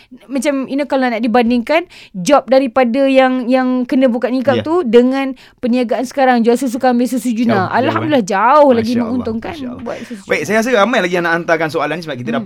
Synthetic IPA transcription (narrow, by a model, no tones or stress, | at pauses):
mãt͡ʃaminəkalonaʔdibandɪŋkand͡ʒɔp̚daɾipadajaŋjaŋkənə̃bukat̪̚nikaʔt̪udəŋãn | pəniaɡaʔansə̥kaɾaŋd͡ʒualsus̬ukambɪsusud͡ʒunaʔa̰lɦamdulilahd͡ʒaʊhlaɡimə̃ŋunt̪ʊŋkanbua̰t̪̚subaiʔsajaas̬əamajlaɡijaŋnaʔːnt̪akansoalanisəbaʔ̚kit̪əda